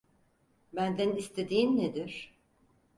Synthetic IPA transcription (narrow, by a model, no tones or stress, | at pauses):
bænd̪ænist̪ʰed̪iːmned̪iɾ̥